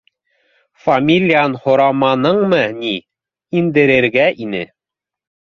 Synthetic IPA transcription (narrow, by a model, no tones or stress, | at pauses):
fɐmʲilʲːianhŏɾɑmɑnɤɴmɤni | ind̪ɘ̆ɾɘ̆ɾɡæʔinɘ